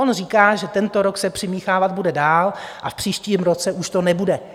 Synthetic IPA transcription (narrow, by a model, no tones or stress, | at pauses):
onr̝iːkaːʒɛt̪ɛnt̪o̞ɾoksɛpr̝̥ɪmiːxaːvad̪̚budɛdaːlʔafpr̥iːʃciːmɾot͡sɛʔuʃt̪o̞nɛbudɛ